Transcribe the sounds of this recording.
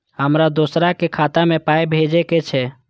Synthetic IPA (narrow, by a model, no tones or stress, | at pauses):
ɦəmɾad̪oːsɾakekʰaːt̪amẽpaːjbʱed͡ʒeket͡ʃʰɛ